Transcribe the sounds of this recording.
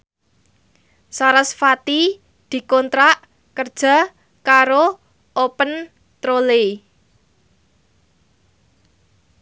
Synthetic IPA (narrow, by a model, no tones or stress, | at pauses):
saɾəsfat̪i | d̪̥i̤kɔnt̪ɾaʔ | kərd̥ʒ̥a̤ | kaɾo | opən | t̪ɾole